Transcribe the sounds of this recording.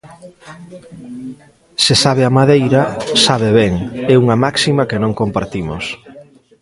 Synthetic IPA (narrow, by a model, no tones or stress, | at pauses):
sesaβ̞eamaðejɾɐsaβ̞eβɛŋɛuŋɐmaksimɐkenõŋkompaɾt̪imʊ̰s